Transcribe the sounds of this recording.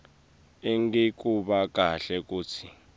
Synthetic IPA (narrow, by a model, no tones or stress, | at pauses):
eŋɡek̬ʼuɓak̬ʼaɬɛk̬ʼuːt͡sʰi